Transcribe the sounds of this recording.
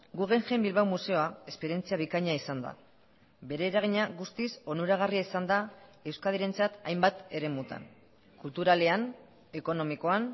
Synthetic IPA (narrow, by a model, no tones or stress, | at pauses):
ɡuɣenʝe̞mbilβawmuse̞o̞ae̞spe̞ɾje̞nt͡siaβ̞ikaɲaisand̪a̰ | be̞ɾe̞ːɾaɣ̞iɲaɣust̪iso̞nuɾaɣariaisand̪ae̞wskalðiɾe̞nt͡sat̪ajmbat̪e̞ɾe̞mut̪a̰n | kult̪uɾale̞an | e̞ko̞no̞miko̞an